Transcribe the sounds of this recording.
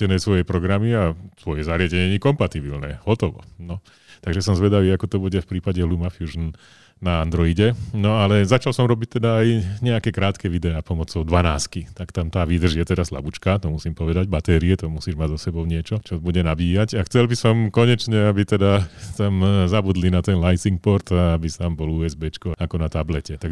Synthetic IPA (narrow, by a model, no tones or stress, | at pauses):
t̪ɛnɛjsʋɔjɛpɾɔɡɾamiat̪ʋɔjɛzaɾɪaɟɛɲɛɲɛkɔmpat̪ibilnɛ̰ːɦɔt̪ɔʋɔ̰nɔ | t̪aɡʒɛs̬ɔmzʋɛd̪aʋiːakɔt̪ɔbuɟɛfpɾiːpaɟɛɦlumafjuːʒn | naand̪ɾɔiɟɛnɔalɛzat͡ʃalsɔmɾɔbic̚t̪ɛd̪aːjɲɛakɛːkɾaːt̪kɛʋid̪ɛaːpɔmɔt͡sɔʊd̪ʋanaːskit̪akt̪amt̪aːʋiːd̪r̩ʒjɛt̪ɛd̪asla̰but͡ʃkat̪ɔmusiːmpɔʋɛd̪aɟbat̪ɛːɾiɛt̪ɔmusiːʒmaɟzɔsɛbɔʊɲɪɛt͡ʃɔt͡ʃɔbuɟɛnabiːjacaxt͡sɛlbisɔmkɔɲɛt͡ʃɲɛabit̪ɛd̪at̪amzabud̪linat̪ɛnlajsiŋk̚pɔɾt̪aabisambɔluːɛzbɛːt͡ʃkɔakɔnat̪ablɛcɛt̪aɡ